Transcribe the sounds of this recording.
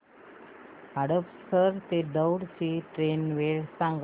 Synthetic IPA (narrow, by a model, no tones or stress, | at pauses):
ɦaɽəpst̪ʰəɾt̪ed̪əwɽt͡ɕiːʈɾenʋeɭsãŋɡ